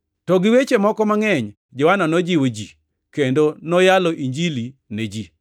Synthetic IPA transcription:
tɔɡɪwet͡ʃemɔkɔmaŋɛɲ | d͡ʒɔwananɔd͡ʒiwod͡ʒi | kendonɔjalɔʔiɲd͡ʒilined͡ʒi

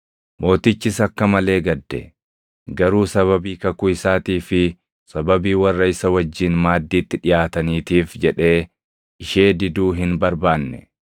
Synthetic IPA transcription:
mo̞ːt̪ɪt͡ʃːɪsɐkːɐmɐle̞ːɡɐd̪ːɛ̰ | ɡɐɾuːsɐβɐbiːkɐkʊɪsaːt̪iːfɪ | sɐbɐbiːwɐrːɐɪsɐwɐd͡ʒːɪnmaːd̪ːiːt̪ːɪᶑɪjaːt̪ɐniːt̪iːfd͡ʒɛᶑe̞ː | ʔɪʃe̞ːd̪ɪd̪uːɦɪnbɐɾbaːnːɛ̰

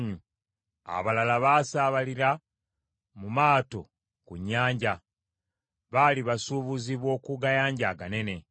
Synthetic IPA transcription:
ɲu | a̰βalalaβaːsaːβaliɾa | mumaːto̞̰ | kuɲːaːɲɟa | βaliβasuβuziβo̞ːkuɡajaːɲɟaɡane̞ne̞

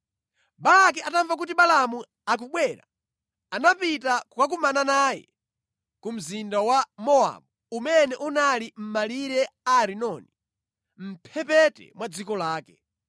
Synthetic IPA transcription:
balak̬iʔataɱvak̬ut̬iɓalamu | ak̬uɓwɛɾa̰ | anapitakukak̬umananaːjɛ̰ | kum̩zindawamɔa̰mu | umɛnɛʔunalim̩maliɾɛaɾinɔni | m̩pʰɛpɛtɛ̰mwad͡zikɔlaːkɛ

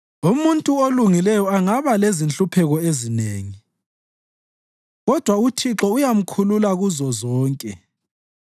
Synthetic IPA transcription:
umuntʼuoluŋilɛjɔaŋaβalezint͡ɬʼupʰɛɣɔezinḛːŋi | ɣɔd̥ʱwautʰiǁɔujam̩kʰululaɣuzɔzɔːŋkʼɛ

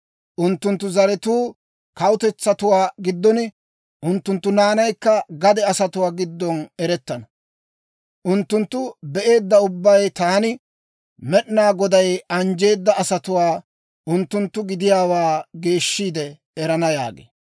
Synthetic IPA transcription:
ʔʊnt̪ːʊnt̪ːʊzɐɾɛt̪uː | kɐwʊt̪ɛt͡sːɐt̪ʊwaːɡɪd̪ːɔnɪ | ʔʊnt̪ːʊnt̪ːʊnaːnɐjkːɐɡɐd̪ɛɐsɐt̪ʊwaːɡɪd̪ːɔnɛɾɛt̪ːɐnɐ | ʔʊnt̪ːʊnt̪ːʊbɛʔe̞ːd̪ːɐʊbːɐjt̪aːnɪ | mɛɗnaːɡɔd̪ɐjɐnd͡ʒe̞ːd̪ːɐɐsɐt̪ʊwaː | ʔʊnt̪ːʊnt̪ːʊɡɪd̪ɪjaːwaːɡe̞ːʃːiːd̪ɛ | ɛɾɐnɐja̰ːɡḛː

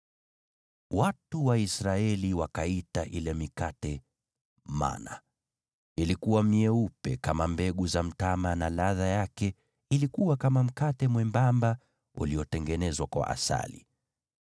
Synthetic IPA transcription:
watuwaisɾaɛliwakaitaʔilɛmikatɛ | ma̰na̰ | ilikuwamiɛupɛkamambɛɠuzam̩tamanalaðajakɛ | ilikuwakamam̩katɛmwɛmbamba | ṵlijɔtɛŋɡɛnɛzwakwa̰ʔa̰sa̰lḭ

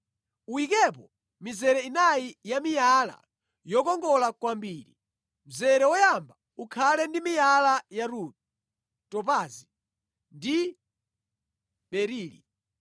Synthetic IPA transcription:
uikɛpɔ | mizɛɾɛinaijamijala̰ | jɔkɔŋɡɔlakwambiːɾi | m̩zɛɾɛwɔjamba | ukʰalɛndimijalajaɾut | tɔpazi | ndi | ɓɛɾiːlḭ

